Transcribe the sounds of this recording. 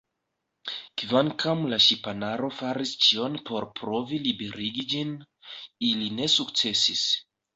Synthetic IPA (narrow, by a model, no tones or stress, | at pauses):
kvaŋkamlaʃipanaɾo̞faɾist͡ʃio̞npo̞ɾpɾo̞vilibe̞ɾiɡid͡ʒin | iline̞sukt͡se̞sis